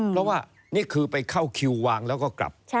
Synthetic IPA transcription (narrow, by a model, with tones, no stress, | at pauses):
pʰɾɔ˦˥waː˥˩ | niː˥˩kʰɯː˧pa˧jkʰa˥˩wkʰi˧wːaː˧ŋlɛː˦˥wkɔː˥˩kla̰˨˩p̚